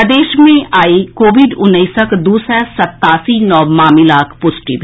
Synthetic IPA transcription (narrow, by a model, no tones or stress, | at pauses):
d̪eːʃmẽʔaːikoːʋɪɖʊnːəisəkd̪uːsɾɛsɐt̪ːaːsinɔːmaːmɪlaːkʰpʊːzʈɪ̰ʋ